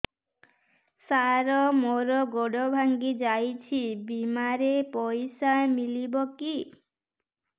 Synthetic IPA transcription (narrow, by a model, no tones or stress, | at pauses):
saɾɔmoɾɔɡoɽɔbʱaŋɡid͡ʒajt͡ʃʰibimaɾepɔjsamilibɔki